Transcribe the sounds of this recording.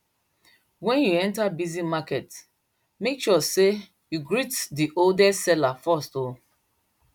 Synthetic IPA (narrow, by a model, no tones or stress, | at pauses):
wɛ̃njuɛ̃ntabizimakɛt | mekʃɔse | juɡɹitdiʔoldɛsɛlafɔsto